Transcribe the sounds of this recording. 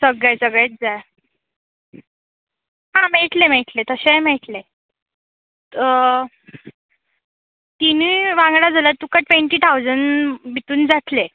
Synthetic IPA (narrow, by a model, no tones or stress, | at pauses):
səɡəsəɡɭet̪̚d͡zaj | ɦãmeʈlem̤eʈlet̪əɕem̤eʈle | t̪iniʋãŋɡɽad͡zalat̪ukaʈʋẽɳʈiːt̪ʰawd͡zəɳbit̪uːnd͡zat̪le